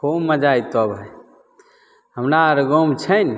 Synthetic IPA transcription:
omːəd͡ʒajt̪ɔbʱəj | ɦəmnaɾɡomt͡ʃʰəjn

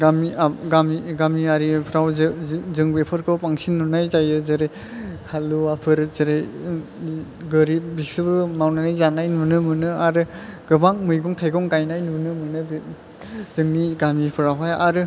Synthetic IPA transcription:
ɡamiaɡamiɡamiaɾipʰɾawzzɯŋbepʰɯɾkʰɯwpaŋsinːunajzajɯzeɾej | kʰaluapʰɯɾzeɾej | ɡɯɾibipʰibɾɯmawnanajzanajnunɯmɯnɯaɾɯɡ̥ɯbaŋmɯjɡɔŋtʰajɡɔŋkajnajnunɯmɯnɯb | zɯŋniɡamipʰɯɾawɦaja̰ɾɯ

